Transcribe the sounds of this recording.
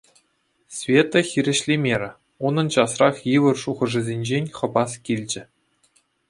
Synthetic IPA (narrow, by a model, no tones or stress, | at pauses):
sʲvʲet̪ːoxʲiɾʲɘ̆ɕlʲemʲeɾʲɘ̆ | unɤ̆nt͡ɕɑsrɑχjɯʋɤ̆rʂuʁɤ̆ʐɘ̆zʲenʲd͡ʑenʲχɤ̆bɑskʲilʲd͡ʑɘ̆